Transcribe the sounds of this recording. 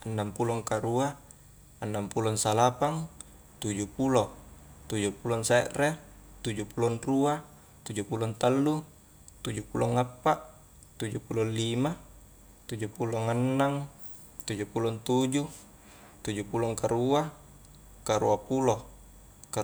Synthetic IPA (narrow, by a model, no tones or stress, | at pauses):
anːampulɔŋkaɾua | anːampulɔnsalapaŋ | t̪ud͡ʒupulot̪ud͡ʒupulɔnseʔre | t̪ud͡ʒupulɔnrua | t̪ud͡ʒupulɔnt̪alːu | t̪ud͡ʒupulɔŋapːaʔ | t̪ud͡ʒupulonlima | t̪ud͡ʒupuloŋanːaŋ | t̪ud͡ʒupulɔnt̪ud͡ʒu | t̪ud͡ʒupulɔŋkaɾua | kaɾṵapulo | ka